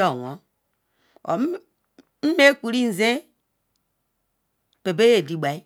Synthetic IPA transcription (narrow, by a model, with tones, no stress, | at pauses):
o˨wo˨˦ | o̰˨˦ | m̩˦me˦ku˨ɾi˦n̩˨ze˦ | pe˨be˦je˦˨di˨ɡ͡ba˨i˦